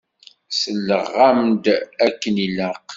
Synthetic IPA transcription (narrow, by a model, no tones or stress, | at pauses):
səlːəʁːamd̪ækːəniləq